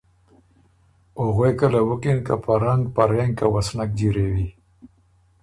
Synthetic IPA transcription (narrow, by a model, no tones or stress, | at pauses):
oɣejkəlawukinkapaɾaŋɡpaɾeŋɡkawasnak̚d͡ʒiɾewi